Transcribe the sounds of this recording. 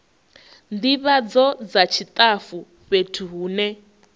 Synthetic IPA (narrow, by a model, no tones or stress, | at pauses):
ndiβad͡zɔd͡zat͡ʃʰit̪ʼafu | βetʰuɦuːnɛ